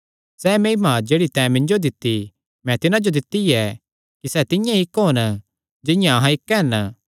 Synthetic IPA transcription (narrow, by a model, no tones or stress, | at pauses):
sɛːmeːmad͡ʒeːɽit̪ɛ̃ːmɪ̃ɲd͡ʒod̪ɪt̪ːi | mɛ̃t̪ɪnãd͡ʒod̪ɪt̪ːiɛ | kisɛt̪ɪjãɪkɦon | d͡ʒɪjãɐɦãɪkːɦɛn